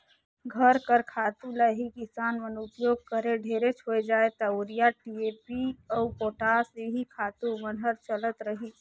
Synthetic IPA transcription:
ɡʱəɾkəɾkʰat̪ulaɦikisanmənupjoɡ̚kəɾeɖʱeɾet͡ʃɦojd͡ʒaet̪ɔoɾijaʈiepiəupoʈaseɦikʰat̪umənɦəɾt͡ʃələt̪ɾəɦi

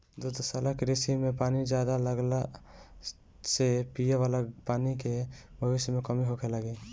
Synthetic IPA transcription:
d̪od̪osaːlakeɾesimẽpaːnid͡ʒjaːd̪aləɡla | sepijeʋaːlapaːnikebʱəʋɪsjəmẽkəmiɦokʰeləɡe

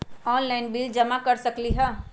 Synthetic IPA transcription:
ɔːnlaːɪnbild͡ʒɐmakɐɾsɐkliɦɛː

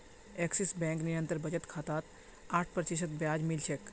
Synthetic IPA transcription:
eksisbɛ̃ŋkniɾənt̪əɾbəd͡ʒət̪kʰat̪aːt̪ | aːʈʰpɾt͡ʃiʃət̪̚bjad͡ʒmilt͡ʃʰek

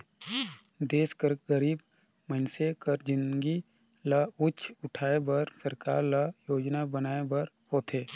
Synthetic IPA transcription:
d̪eːskəɾɡəɾiːb | məɪnsekəɾd͡ʒɪnɡi | laʊt͡ʃʰʊʈʰaːebɐɾsɐɾka̰ːɾlajoːd͡ʒnabənaːebɐɾ | hoːt̪eː

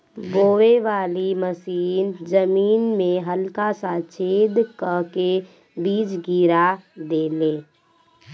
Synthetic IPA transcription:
boːʋeʋaːliməsiːnzəmiːnmẽɦəlkasat͡ʃʰeːd̪kəke | biːd͡ʒɡiːɾad̪eːleː

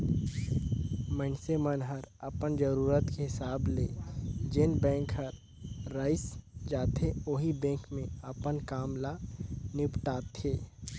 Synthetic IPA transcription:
mənsemənɦəɾəpənd͡ʒəɾuːɾət̪keɦɪsaːbleːd͡ʒenbɛ̃ːŋkɦəɾː | aːɪsd͡ʒaːt̪ʰeoɦibɛ̃ːkmẽəpənkaːmlanɪpʈaːt̪ʰeː

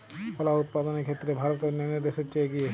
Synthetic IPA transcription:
pʰɔlaut̪̚pad̪onekʰet̪ːɾebʱaɾot̪eɾneniɾd̪eʃet͡ʃeeɡie

